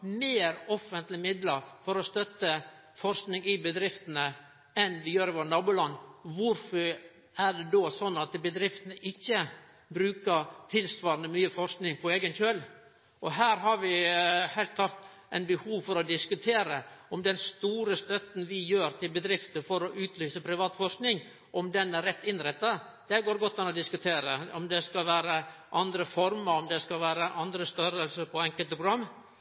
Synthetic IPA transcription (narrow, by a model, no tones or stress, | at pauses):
meːɾɔfənt̪lɪmɪd̪ləɾfɔɾɔst̪œt̪ːə | fɔɾsknɪŋɪbəd̪ɾɪft̪ənə | ɛnʋɪjøːɾɪʋoːnɑːbʊːlɑnːʋʊɾfɔɾ | æɖɛd̪oːsɔnːɑt̪bəd̪ɾɪft̪ənəʔɪçːə | bɾʉːkəɾt̪ʰɪlsʋɑːɾənəmyːəfɔɾsknɪŋpʰɔeːɡənçøl | ʔɔɦæːɾɦɑɾʋɪhɛɪlt̪̚klɑɾt̪ | ʔæ̰ɪnbəhuːʋfɔɾɔd̪ɪskʉt̪ʰeːɾəɔmd̪ɛnst̪uːɾəst̪œt̪n̩ʋɪjøːɾt̪ʰɪlbəd̪ɾɪft̪əfɔɾɔʔʉːt̪ʰlyːsəpʰɾɪʋɑːt̪fɔɾknɪŋ | ʔɔmd̪ɛnæɾɛt̪ːɪnɾɛt̪ːɑ | d̪̥ɛæɾɡoːɾɡɔt̪ːɑnɔd̪ɪskʉt̪ʰeːɾəɔmd̪ɛskɑlʋæːɾəʔɑnd̪ɾəfɔɾməɾɔmd̪ɛskɑlʋæːɾəʔɑnd̪ɾəst̪œɾəlsəpʰɔɛŋkəlt̪əpʰɾʊɡɾɑmː